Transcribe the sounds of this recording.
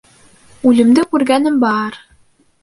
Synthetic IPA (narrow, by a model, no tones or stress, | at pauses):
ʉlɘ̆md̪ɘkʉɾɡænɘmbɑɾ